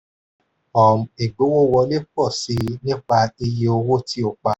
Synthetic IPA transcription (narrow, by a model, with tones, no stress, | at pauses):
ɔ˨m̩˨e˨ɡ͡bo˨˦wo˦˨wɔ˧˦le˦k͡pɔ˦˨si˨˦nĩ˦k͡pa˧e˧je˧o˧wo˦ti˦o˧˨k͡pa˧